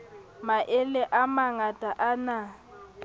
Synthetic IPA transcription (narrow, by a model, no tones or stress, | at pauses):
maʔɪlɛʔamaŋatʼaʔana